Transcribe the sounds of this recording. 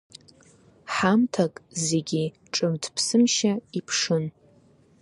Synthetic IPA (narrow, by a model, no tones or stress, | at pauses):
ħamtʰakʼze̞ɡʲi | ʈ͡ʂʼɨmtʰpʰsɨmʃaipʰʂɨn